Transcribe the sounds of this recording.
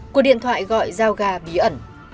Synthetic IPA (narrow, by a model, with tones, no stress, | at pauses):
ku˨˩ɗḭ˧˨ənt̪ʰwa̰ː˧˨jɣɔ̰˧˨jzaː˧wɣaː˧ɓi˨˦ʔə˧˩n